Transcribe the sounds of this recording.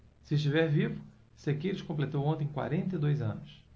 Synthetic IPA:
sɪɪʃt͡ʃivɛɾvivʊ | sekeɾɪʃkõplet̪owõnt̪ẽj̃kwa̰ɾẽnt̪ɐjd̪ojzɐ̰̃nʊs

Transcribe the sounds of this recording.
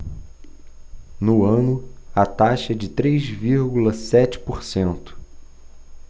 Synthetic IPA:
nʊɐ̃nʊɐt̪aʃɐɛd͡ʒɪt̪ɾejzviɾɡulɐsɛt͡ʃɪ̥poɾsẽnt̪ʊ̥

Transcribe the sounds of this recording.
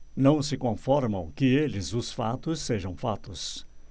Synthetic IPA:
nɐ̃w̃sɪkõfɔɾmɐ̃w̃kɪelɪzʊsfa̰t̪ʊsːeʒɐ̃w̃fat̪ʊs

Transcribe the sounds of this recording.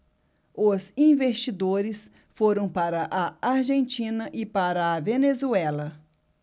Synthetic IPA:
ʊzĩvest͡ʃid̪oɾɪs | foɾɐ̃w̃paɾɐʔaaɾʒẽnt͡ʃĩnɐʔɪpaɾɐːvenezuɛlɐ

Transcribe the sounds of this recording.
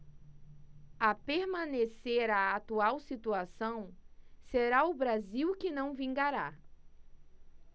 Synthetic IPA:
apeɾmɐ̃neseɾaat̪uawsit̪uasɐ̃w̃seɾaʊbɾaziwkɪnɐ̃w̃vĩŋɡaɾa

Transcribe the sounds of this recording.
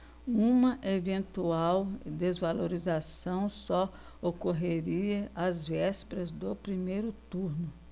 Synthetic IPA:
ũmɐʔevẽnt̪uawd̪ezvaloɾizasɐ̃w̃sɔ | okoɦeɾiɐʔazvɛspeɾɐzd̪ʊpɾimejɾʊt̪uɾnʊ

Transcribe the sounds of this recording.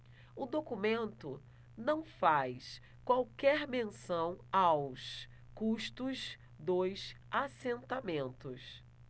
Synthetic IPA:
ʊd̪okumẽnt̪ʊ | nɐ̃w̃fajs | kwawkɛɾmẽsɐ̃w̃aws | kuʃt̪ʊs | d̪ojs | asẽnt̪amẽnt̪ʊs

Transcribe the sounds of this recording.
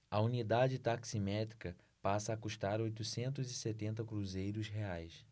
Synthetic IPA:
ɐunid̪ad͡ʒɪt̪aksimɛt̪ɾikɐ | pasɐːkuʃt̪aɾojt̪usẽnt̪ʊzɪset̪ẽnt̪ɐkɾuzejɾʊsɦeajs

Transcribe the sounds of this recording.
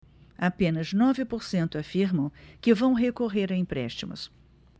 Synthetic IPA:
apẽnɐznɔvɪpoɾsẽnt̪ʊafiɾmɐ̃w̃kɪvɐ̃w̃ɦekoɦeɾɐĩpɾɛ̰ʃt͡ʃimʊ̰s

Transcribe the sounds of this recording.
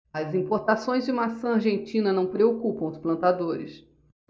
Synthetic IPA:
ɐzĩpoɾt̪asõj̃zd͡ʒɪũmasɐ̃aɾʒẽnt͡ʃĩnɐnɐ̃w̃pɾeokupɐ̃w̃ʊsplɐ̃nt̪ad̪oɾɪs

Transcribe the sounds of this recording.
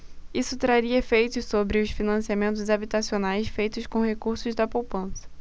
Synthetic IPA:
isʊt̪ɾaɾiɐefejt̪ʊssobɾɪʊsfinɐ̃siamẽnt̪̬ʊzabit̪asionajsfejt̪ʊskõhekuɾsʊzd̪ɐpowpɐ̃sɐ̥

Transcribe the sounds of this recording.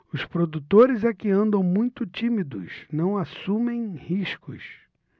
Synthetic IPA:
ʊspɾod̪ut̪oɾɪzɛkɪɐ̃nd̪ɐ̃w̃mũj̃t̪ʊt͡ʃimid̪ʊ̰snɐ̃w̃asũmẽj̃hiʃkʊ̰s

